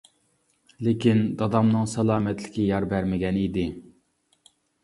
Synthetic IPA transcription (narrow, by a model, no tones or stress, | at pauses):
lekʲind̪ɑd̪ɑmnɨŋsɑlˠɑːmɛt̪lɪkʲɪjɑɾbæɾmɪɡʲɛnid̪ɪ